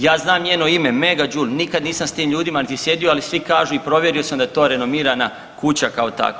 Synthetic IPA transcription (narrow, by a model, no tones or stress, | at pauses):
jaːznaːmɲeːno̞ime̞meɡad͡ʑulnikad̪niːsamst̪iːmʎuːd̪imanit̪isje̞d̪ijoalisʋikaːʒuipɾo̞ʋje̞ɾiosamd̪ajet̪o̞ːɾe̞nomiːɾana | kut͡ɕakao̞t̪a̰k